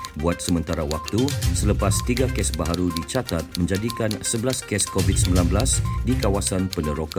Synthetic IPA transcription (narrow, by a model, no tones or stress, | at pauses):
buat̪̚səmə̃nt̪aɾawak̚t̪usələpast̪iɡakɛsbaɦaɾudit͡ʃat̪at̪̚mə̃ɲd͡ʒadikansəbəlaskɛskovit̪̚səmbilanbəlasdikawasanpənəɾoka